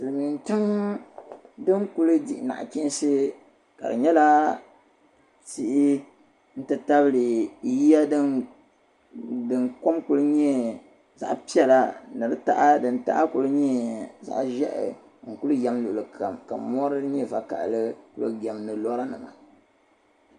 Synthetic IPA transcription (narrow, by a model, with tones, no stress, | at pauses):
sɨ˨lɨ˨mi˨ntɨ˦m | dɨ˦ŋku˦lɨ˦di˦ʔna̰˨ʔki˦n˦sɨ˦ | ka̰˨dɨ̰˨ɲɛ˦la˦ | ti˦ʔɪ˦ | n̩˦tɨ˦ta˦bɨ˦lɨ˨ji˦ja˦dɨ˦ | dɨ˨nko˦mku˦lɨ˦ɲɛ˦ | za̰˨ʔpi˦ɛ˦la˨nɨ˨ɾɨ˦ta̰˦ʔa˦dɨ˨n̩ta̰˦ʔa˦ku˨lɨ˦ɲɛ˦za̰˨ʔʒɛ˦ʔ | ŋ̩˨ku˦lɨ˦jɛ˦mlʊ˨lɨ˨kʰa˨mka˨mɔ˦ɾɨ˦ɲi˦˨va˨ka̰˨ʔlɨ˦ku˦lɨ˦ɡɛ˨mnɨ˨lɔ˦ɾa˦nɨ̰˨ma̰˨